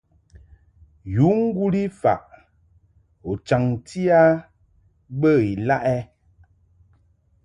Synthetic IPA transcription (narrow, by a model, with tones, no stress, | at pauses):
ju˨˦ŋ̩˦ɡu˦li˦fa̰˨ʔ | o˨t͡ʃa˨ŋtʰi˦a˦ | bə˦˨i˨la˦ʔɛ˦